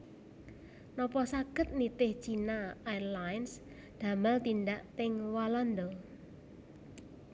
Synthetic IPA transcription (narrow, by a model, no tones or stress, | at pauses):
nɔpɔsaɡ̥ət̪̚nit̪ɪht͡ʃinaajlajns | d̪̥a̤malt̪ind̪aʔt̪ɪŋwalɔnd̪ɔ